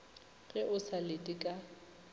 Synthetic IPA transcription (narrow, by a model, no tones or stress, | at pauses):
ɣɛʔʊsalɪtʼikʼa